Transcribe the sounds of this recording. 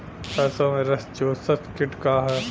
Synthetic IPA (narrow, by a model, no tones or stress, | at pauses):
pɛːsõmẽɾɐst͡ʃoːsɐt̪kɪʈkaːɦɛː